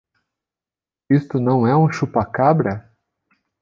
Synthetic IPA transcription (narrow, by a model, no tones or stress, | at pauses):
ist̪ʊnɐ̃w̃ɛũʃupakabɾɐ